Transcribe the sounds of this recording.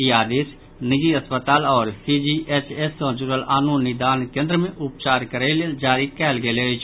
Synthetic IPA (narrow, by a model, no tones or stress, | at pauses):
iaːd̪eːs | nɪɡiəspət̪aːlɔːɾsiːd͡ʒiːʔeːt͡ʃʰeːskɔ̃ːd͡ʒuːɾəlaːnũnɪd̪aːnkẽːnd̪ɾəmẽʔʊp̚t͡ʃaːɾkəɾeled͡ʒaːɾikɛːlɡeːleːɪt͡ʃ